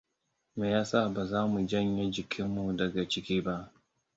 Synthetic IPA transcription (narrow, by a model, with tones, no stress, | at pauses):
meː˨jaː˦sa˦˨ba˨zaː˦mu˨d͡ʒɐ˦ɲje˦d͡ʒɪ˨kʲʰɪ˦mːu˨dɐ˨ɡa˨t͡ʃɪ˦kʲiː˦ba˦ʔ